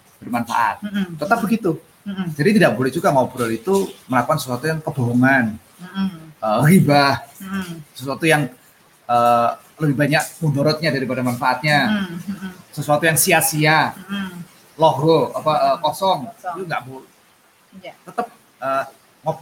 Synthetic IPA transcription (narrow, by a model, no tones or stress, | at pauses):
b̥ərmanfa̰ʔa̰t̪̚ːət̪əp̚bəɡit̪u | d͡ʒadit̪idaʔbolɛhd͡ʒuɡaŋɔbɾɔlit̪uməlakukansəsuat̪ujaŋkəb̥oɦoŋan | əːhibah | səsuat̪ujaŋ | əː | ləbɪhbaɲak̚mundoɾɔt̪̚ɲadaɾipadamanfaʔat̪̚ɲa | səsuat̪ujaŋsiasia | loɡɔapaʔəːkɔsɔŋt̪uŋɡaʔbol | t̪ət̪əp̚ | ʔəː | ŋɔb